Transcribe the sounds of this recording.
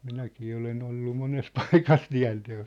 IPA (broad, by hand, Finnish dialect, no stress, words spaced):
minækiː olen olːu mones pɑikɑs tiæ̝nteos